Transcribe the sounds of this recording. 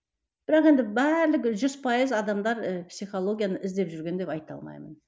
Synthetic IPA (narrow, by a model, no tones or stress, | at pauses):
b̥ɪɾɑqe̞nd̪ɪbæɾlɪkʲʒʏz̥pʰɑjəzɑd̪ɑmd̪ɑɾəpsijχo̞lˠo̞ɡʲijanəʔɪzd̪e̞pʒʏɾɡʲe̞nd̪e̞pɑjt̪ɑ̰lˠmɑ̰jmən